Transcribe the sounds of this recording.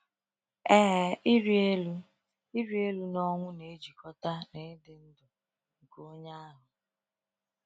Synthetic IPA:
ɛ˦ɦi˦ɾi˦e˦lu˦ | i˦ɾi˦e˦lu˦nɔ˦ŋʷʊ˦ne˨˦d͡ʒi˨kʰɔ˦ta˦ne˨˦dɪ˦n̩˦dʊ˨ | ŋ̩˨ko˦ɲa˦a˦ɦʊ˨

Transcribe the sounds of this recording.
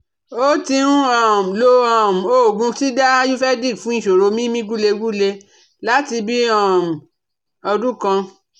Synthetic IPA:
o˦ti˧ɾ̃ũ˦a˨m̩˨lo˦ã˨m̩˨o˦˨ɡũ˧ti˦da˦ju˦fɛ˦di˦˨kfũ˨˦ĩ˦˨ʃo˨ɾo˧mĩ˦mĩ˦ɡu˦le˧ɡu˦le˧ | la˨˦ti˧bi˦ã˦˨m̩˨ | ɔ˧dũ˦kã˧

